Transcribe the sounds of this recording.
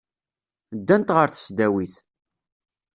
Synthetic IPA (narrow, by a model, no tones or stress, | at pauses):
d̪ːænt̪ʁəɾθə̥sd̪æwiθ